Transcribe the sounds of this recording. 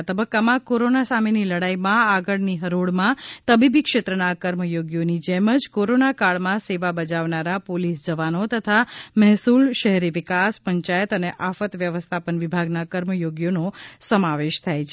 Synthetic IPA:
t̪əbəkːamãkoɾonasameniləɽaimãaɡəɭniɦəɾoɭmãt̪əbibikʃet̪ɾənakəɾməjoɡjonid͡ʒɛməd͡ʒkoɾonakaɭmãseʋabəd͡ʒaʋnaɾapolisd͡ʒəʋanot̪ət̪ʰamɛɦsulʃəɦɛɾiʋɪkaspəɲt͡ʃajət̪əneʔafət̪ʋjəʋəst̪ʰapənʋibʱaɡnakəɾməjoɡjonosəmaʋeʃt̪ʰajt͡ʃʰe

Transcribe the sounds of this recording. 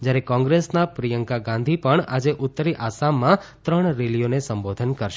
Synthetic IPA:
d͡ʒjaɾekɔ̃ŋɡɾesnapɾijəŋkaɡãnd̪ʱipəɳad͡ʒeʔʊt̪ːəɾiʔasamːãt̪ɾəɳ̃ɾelijonesəmbod̪ʱənkəɾʃe

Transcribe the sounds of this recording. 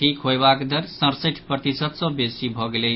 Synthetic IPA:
ikɦojbakd̪əɾsʌ̃ɾseʈʰpɾət̪isət̪sʌ̃besibʱʌɡele

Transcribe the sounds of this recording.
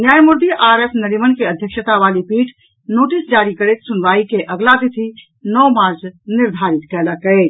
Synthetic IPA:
njajmuɾd̪iʔaɾesnəɾimənkeəd̪ʱjəkʃət̪aβalipiʈʰ | noʈisd͡ʒaɾikəɾɛt̪sunbaikeʔəɡlad̪it̪ʰi | nɔwmaɾd͡ʒniɾd̪ʱaɾit̪kɛləkət̪

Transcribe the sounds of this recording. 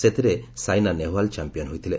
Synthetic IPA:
set̪ʰiɾesajnaneɦalt͡ʃampijɔnɦujt̪ʰile

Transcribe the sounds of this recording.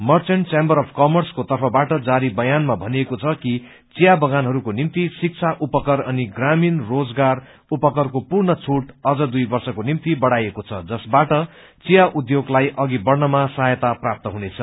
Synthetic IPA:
mʌrt͡sʌɳʈt͡sembʌɾʌpʰkʌmʌrskot̪ʌrpʰʌbaʈʌd͡zaɾibʌjanmabʱʌniekot͡sʰʌki | t͡sijabʌɡanɦʌɾukonimt̪isik̚t͡sʰaʔupʌkʌɾʌniɡraminrod͡zɡar | upʌkʌrkopurnʌt͡sʰuʈʌd͡zʌd̪ujbʌrsʌkonimt̪ibʌɽajekot͡sʰʌd͡zʌsbaʈʌ | t͡sijaʔud̪joɡlajʔʌɡibʌrnʌmasaɦjʌt̪aprap̚t̪ʌɦunet͡sʰʌ

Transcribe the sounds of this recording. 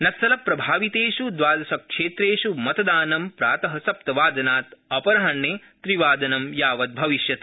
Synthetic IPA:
nɐt̪sɐlɐpɾɐbʱaːʋit̪eːʃud̪ʋaːd̪ɐsɐkʂeːt̪ɾeːʃumɐt̪ɐd̪aːnɐmpɾaːt̪ɐɦɐsɐp̚t̪ɐʋaːd̪ɐnaːt̪ɐpɐɾɐɦɐɳːeː | t̪ɾiʋaːd̪ɐnɐmjaːʋɐd̪̚bʱɐʋiʃjɐt̪

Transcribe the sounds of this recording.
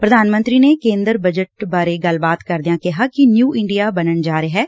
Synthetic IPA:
pɾəd̪ʱaːnmə̃nt̪ɾiːnekẽːnd̪əɾbəd͡ʒəʈ̚baːɾeɡəlbaːt̪kəɾd̪ijãːkɪɦaːkɪnjuːʔɪɳɖijaːbənənd͡ʒaːɾeɦɛː

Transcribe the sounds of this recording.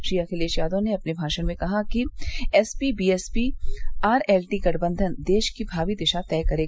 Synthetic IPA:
ʃijakeleeʃjaːd̪õneɐpnebʱaːʃənmẽkɐɦakiɛːspibiːɛːspiaːɾɛːlʈiːɡɐʈʰbə̃nd̪ʱənd̪eːʃkibʱaːʋid̪ɪʃat̪ɛːkɐɾeː

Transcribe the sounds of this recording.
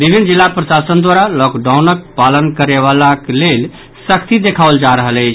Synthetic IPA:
bibʱinːd͡ʒilːapɾəsasənd̪waɾalɔkɖawnək̚palənkəɾeβalakelel | səkʰt̪id̪ekʰabəld͡ʒaɾəɦələt͡ʃʰ

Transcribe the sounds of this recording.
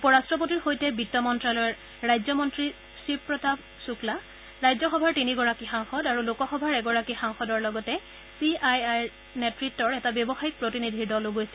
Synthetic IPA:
upɔɹastɹɔp̬otiɹxojtɛbitːɔmɔntɹalɔɹː | ajzɔmɔntɹi | sipɹɔtab | sukla | ɹajzɔxɔbʱaɹtiniɡɔɹakixaŋxɔdaɹulokɔxɔbʱaɹɛɡɔɹakixaŋxɔdɔɹlɔɡɔtɛ | siajaj | nɛtɹitːɔɹɛtabjɔbɔxaik̚pɹotinidʱiɹdɔloɡojsɛ

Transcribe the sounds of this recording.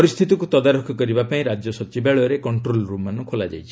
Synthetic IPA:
ɔɾist̪ʰit̪ikut̪ɔd̪aɾɔkʰɔkɔɾibapaĩɾad͡ʒjɔsɔt͡ʃibaɭɔɾekɔɳʈɾolɾumanukʰolad͡ʒa̰jt͡ʃʰi

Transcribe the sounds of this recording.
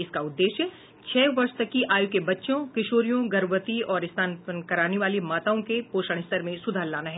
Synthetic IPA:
ɪskaʊd̪ːeːʃjə | t͡ʃʰɛːʋɐɾʃt̪ɐkːiʔaːjukebɐtːʃõkɪʃoːɾijõɡɐɾʋət̪iɔːɾɪst̪ʰaːnpənkɐɾaːneʋaːlimaːt̪aõkepoːʃəɽ̃ɪst̪əɾmẽsʊd̪ʱaːɾlaːnaɦɛː

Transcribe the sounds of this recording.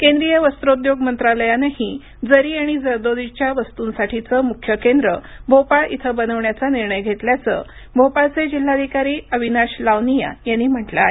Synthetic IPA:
kẽnd̪ɾijəʋəst̪ɾod̪joɡmənt̪ɾaləjanaɦi | d͡zəɾiːaɽ̃id͡zəɾd̪od̪it͡ɕjaʋəst̪uːnsaʈʰit͡səːmukʰːjəkend̪ɾəbʱopaɭḭt̪ʰəbənəʋɳjat͡saniɾɳəjɡʱet̪ljat͡sə̰ | bʱopaɭt͡sed͡ʑil̤ːad̪ʱikaɾiːəbʱinaɕlaʋnija̰janːiːm̤əʈla̰ɦe

